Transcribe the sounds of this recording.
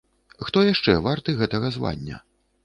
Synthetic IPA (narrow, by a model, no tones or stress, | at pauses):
xt̪ɔjaʂt͡ʂɛvart̪ɨɣɛt̪ɐɣɐzva̰nʲːɐ̰